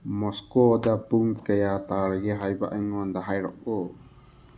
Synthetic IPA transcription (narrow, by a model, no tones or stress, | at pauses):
mɔskɔd̪apuŋkɛjat̪aɾɛɡɛɦajba̰ʔɛŋɔnd̪aɦajɾɔ̰ʔɔ